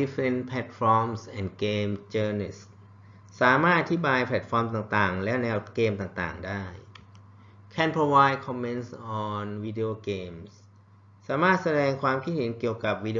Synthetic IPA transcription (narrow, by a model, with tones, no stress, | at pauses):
i˦˥fɾɛ˧˩npʰlɛ˧˩t̪̚fɔː˧˥msʔɛː˨˩nkeː˧mt͡ɕɤː˧ni˧˩s | saː˩˦maː˥˩t̪̚ʔaː˧t̪ʰi˦˥baː˧jpʰlɛ˨˩t̪̚fɔː˧mt̪̬aː˨˩ŋt̪aː˨˩ŋlɛ˦˥nɛː˧˥wkeː˧mt̪aː˨˩ŋt̪a̰ː˨˩ŋdaː˥˩j | kʰɛː˧˩npʰɾo˧waː˧jd̚kʰɔː˧mːe˦˧nsʔɔː˨˩nwiː˦˧di˧oː˧keː˧ms | saː˩˦maː˥˩t̪̚sa˧dɛː˧ŋkʰwaː˧mkʰi˦˥t̪̚he˩˦nki˨˩əwka˨˩p̚wiː˧di˧